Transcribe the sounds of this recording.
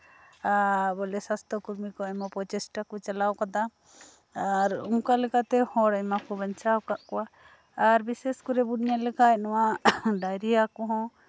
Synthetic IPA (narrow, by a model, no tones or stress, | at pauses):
abɔlɛsast̪ʰɔkuɾmikɔajmapɔt͡ʃɛsʈakɔt͡ʃalawkad̪a | aɾuŋkalɛkat̪ɛhɔ̃ɾajmakɔbaɲt͡ʃawkaʔkɔwaː | ɾbisɛskɔɾɛbuɖɲalɛkaɛnɔwaɖajɾiakɔɦɔ̃